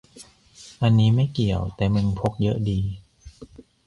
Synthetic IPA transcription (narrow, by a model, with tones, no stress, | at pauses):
ʔa˧nːiː˦˥ma˥˩jki˨˩əwt̪ɛː˨˩mɯ˧npʰo˦˥k̚jɤ˦˥ʔdiː˧